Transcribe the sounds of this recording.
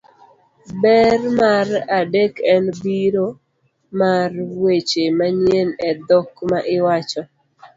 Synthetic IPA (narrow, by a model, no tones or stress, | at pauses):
bɛrmaradekɛnbiɾo | marwet͡ʃemaɲjenɛd̪ɔkmaʔɪwat͡ʃɔ